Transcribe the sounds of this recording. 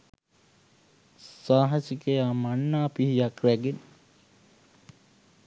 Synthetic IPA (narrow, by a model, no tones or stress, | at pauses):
saːɦɐsikejamanːaːpihijakɾæɡenə